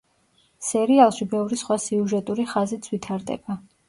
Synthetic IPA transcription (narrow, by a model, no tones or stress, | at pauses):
sɛɾialˠʃibɛvɾisχwasiuʒɛt̪ʼuɾiχazit̪sʰwit̪ʰaɾd̪ɛ̰ba